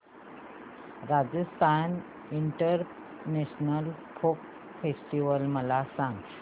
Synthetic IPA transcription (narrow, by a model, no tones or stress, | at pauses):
ɾad͡zəst̪ʰan | iɳʈəɾ | neɕnəlfʰok | fesʈiʋəlməlasãŋɡ